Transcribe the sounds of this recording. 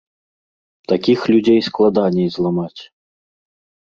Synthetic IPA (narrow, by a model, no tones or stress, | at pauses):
t̪akʲixlʲud͡zʲejsklˠad̪anʲɛjzlˠamat͡sʲ